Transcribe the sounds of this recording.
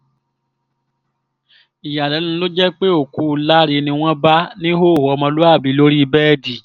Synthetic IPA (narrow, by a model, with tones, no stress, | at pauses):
i˨ja˨lɛ˨˦nũ˨˦lo˦d͡ʒɛ˦k͡pe˦o˦˨ku˨˦˨la˦ɾi˧nĩ˧w̃ɔ̃˦ba˦nĩ˦ɦo˦˨hɔ˧mɔ̃˧lo˦a˦˨bi˨˦lo˦ɾi˦˧bɛ˦˨di˨